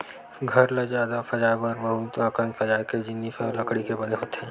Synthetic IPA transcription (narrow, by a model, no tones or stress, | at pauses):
ɡʱɐɾled͡ʒaːd̪afɐd͡ʒaːjbəɾbəɦut̪ãːkɾənfɐd͡ʒaːeked͡ʒɪnːifɛlɐkɽikebɐneɦoːt̪eɦɛ̃ː